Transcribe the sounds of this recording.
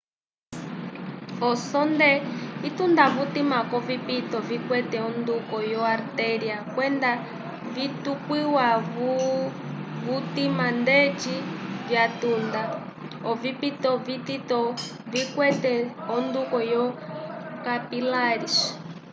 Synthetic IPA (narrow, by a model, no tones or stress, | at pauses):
ɔsɔndɛit̪und̪aβut̪imakɔvipit̪ɔvikwɛtɛɔnd̪ukɔjɔaɾt̪ɛɾiakwɛnda | vit̪ukwiwaβ | βut̪imandɛt͡ʃivjat̪und̪a | ɔvipit̪ɔvit̪it̪ɔ | vikwɛtɛɔnd̪ukɔjɔ | kapilaɾis